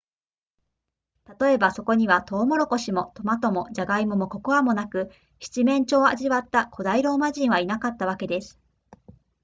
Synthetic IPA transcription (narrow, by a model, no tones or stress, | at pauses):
t̪at̪o̞e̞baso̞ko̞ɲ̟iβat̪o̞ːmo̞ɾo̞ko̞ɕimo̞t̪o̞mat̪o̞mo̞ʑaɡaimɯ̟mo̞ko̞ko̞amo̞nakɯ̟ | çi̥t͡ɕimẽ̞ɲ̟t͡ɕo̞ːa̰ʑiβat̪ːakʰo̞d̪aiɾo̞ːmaʑĩɰ̃β̞ainakat̪ːaβ̞ake̞d̪e̞sɨ̥